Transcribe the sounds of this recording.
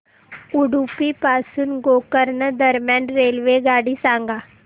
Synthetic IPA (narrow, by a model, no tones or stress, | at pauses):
uɽupipaːsunɡoːkəɾnəd̪əɾmjãːnɾeːlʋeɡaːɽisãːŋɡaː